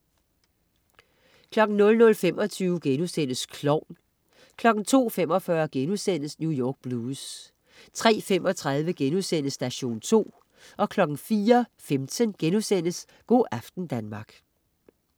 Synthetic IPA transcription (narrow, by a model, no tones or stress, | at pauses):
kʰlɒ̽ɡ̥n̩nɔ̽lnɔ̽lfem̰ɒ̽t͡sʰyːʊɡ̥enusen̰əskʰlɒʊ̰n | kʰlɒ̽ɡ̥n̩t͡sʰo̝̰ːfem̰ɒ̽fɶɐɡ̥enusen̰əsnjujɒːɡ̥̚b̥luːs | t͡sʰʁɛ̰ːfemɒ̽t͡sʰʁað̞ˠʋəɡ̥enusen̰əsd̥æɕo̝̰ːnt͡sʰo̝̰ː | ʔɒ̽kʰlɒ̽ɡ̥n̩fiːɐfemt͡sʰənɡ̥enusen̰əs | ɡ̥o̝̰ːʔæfd̥n̩d̥ænmɑ̈ɡ̥